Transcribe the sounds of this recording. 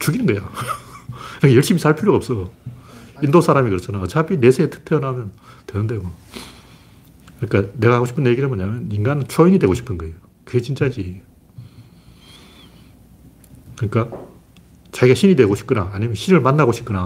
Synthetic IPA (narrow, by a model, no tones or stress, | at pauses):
t͡ɕuɡinɯnɡʌjo | kɯɾkajʌɭɕ͈imisʰaɭpʰuɾjoɡaʌps͈ʌo | indosʰaɾamikɯɾʌt͡ɕʰanaʌt͡ɕʰabine̞sʰeetʰɯ̥k̚tʰeʌnɦamjʌntwenɯnde̞mʌ | kɯɲik͈ane̞ɡahaɡoɕʰi̥pʰɯnje̞ɡiɾamʌɲamjʌniŋɡanɯnt͡ɕʰoinɲidwe̞ɡoɕʰi̥pʰɯnɡʌejo | kɯɡe̞t͡ɕint͡ɕ͈ad͡ʑi | kɯɲik͈a | t͡ɕaɡiɡaɕʰinɲidwe̞ɡoɕʰi̥pk͈ɯnaːɲimjʌnɕʰiɾɯɭmanːaɡoɕʰi̥p̚k͈ɯna